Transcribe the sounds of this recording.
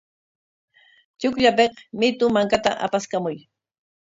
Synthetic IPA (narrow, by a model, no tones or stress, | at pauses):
t͡ʃʊkʎapeqmɪt̪ʊmaŋkat̪aʔa̰paskamʊj